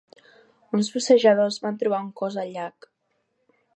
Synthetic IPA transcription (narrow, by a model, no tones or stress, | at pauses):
unzβusəʒəðozβant̪ɾuβ̞auŋkɔzəʎak